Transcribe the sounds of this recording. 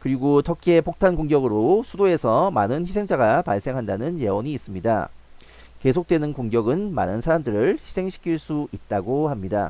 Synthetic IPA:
kɯɾiɡotʰʌkʰie̞pok̚tʰankoŋɡjʌɡɯɾosʰudoe̞sʰʌma̰nɯnçisʰe̞ŋd͡ʑaɡapaɭs͈e̞ŋɦandanɯnje̞wʌɲiːs͈ɯmɲida̰ | ke̞s̬ʰok̚t͈we̞nɯnkoŋɡjʌɡɯnma̰nɯnsʰaɾamdɯɾɯɭçisʰe̞ŋɕʰi̥kʰiɭs͈uit̚t͈aɡohamɲida̰

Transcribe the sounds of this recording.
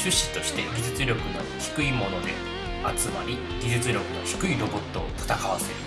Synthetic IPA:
ɕɨɕːi̥t̪o̞ɕi̥t̪e̞ɡʲid͡ʑɨt͡sɨɾʲo̞kɯ̟no̞çi̥kɯ̟imo̞no̞d̪e̞̰ | at͡sɨmaɾʲi | ɡʲiʑɨt͡sɨɾʲo̞kɯ̟no̞çi̥kɯ̟iɾo̞bo̞t̪ːo̞ːt̪ḁt̪akaβase̞ɾɯ̟

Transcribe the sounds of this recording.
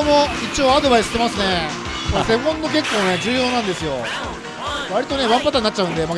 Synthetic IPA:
omoit͡ɕio̞ːad̪o̞baisɨ̥t̪e̞masɨne̞ | mosẽ̞mːõnːo̞k̬e̞kːoːne̞d͡ʑɨːjo̞ːnãnd̪e̞sɨjo̞ | βaɾʲit̪o̞ne̞βãmpat̪aɲʲinat͡ɕːaɯ̟̃nd̪emak

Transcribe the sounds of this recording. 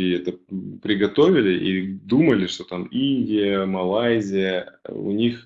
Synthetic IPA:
ɛt̪əpɾʲɪɡɐt̪ovʲɪlʲɪʔid̪uməlʲɪʂt̪o̞t̪aminʲdʲɪjəmɐlˠajzʲɪjəʊ̰nʲix

